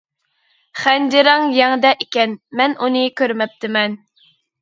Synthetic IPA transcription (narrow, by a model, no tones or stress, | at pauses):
χænd͡ʒɪɾɑŋjɛŋd̪ɛʔikʲɛnmɛnunɨkʲʰøɾmɛp̚t̪ʰɪmɛn